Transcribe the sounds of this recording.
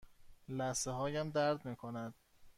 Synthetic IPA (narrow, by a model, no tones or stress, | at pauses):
læseɦɒːjæmd̪æɾd̪miːkʰonæd̪̥̚